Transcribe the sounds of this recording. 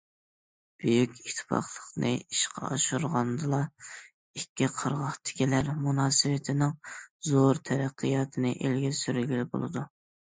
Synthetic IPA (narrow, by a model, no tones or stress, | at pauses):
b̥yjykʲit̪ʰːɪ̥fɑ̰χlˠə̥qnɨ̰iʃqʰɑ̰ɑ̰ʃuɾʁɑnd̪ɨlˠɑ | ikʲːiqʰəɾʁɑχt̪ʰɪ̥kʲilæɾmunɑːsɨwɪt̪ʰɪnɪŋzoɾt̪ʰɛɾæqʰːijɑːt̪ʰɨnɨʔelɡʲɛsyɾylɡʲilɪbo̰lˠɨ̰d̪u